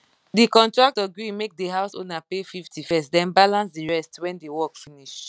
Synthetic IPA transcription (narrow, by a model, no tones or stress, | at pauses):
dikɔ̃ntɹak̚tɔɡɹimek̚deɦaʊsõ̰napefiftʰifɛstdɛ̃nbalãnsdiɹɛstwɛ̃ndewɔkfiniʃ